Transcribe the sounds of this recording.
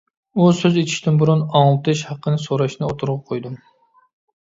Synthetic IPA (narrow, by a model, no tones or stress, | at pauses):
usøzet͡ʃ̪ʰi̥ʃt̪ɪnbuɾunɑŋlˠɨt̪ʰɨʃhɑqːənɨsoɾɑʃnɨot̪ʰʊɾʁɑqʰojd̪um